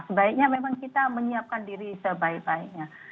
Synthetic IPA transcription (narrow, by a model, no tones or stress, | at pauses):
səbaik̚ɲamemãŋkit̪aməɲiap̚kandiɾisəbaik̚baik̚ɲa